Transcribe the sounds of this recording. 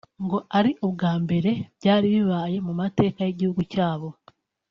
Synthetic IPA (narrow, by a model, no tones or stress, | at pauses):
ŋɡo̞ʔaɾiʔobɡaːmbe̞ɾe̞βɟaːɾiβiβaːje̞mumate̞ːkaje̞ɟihuɡucaːβo̞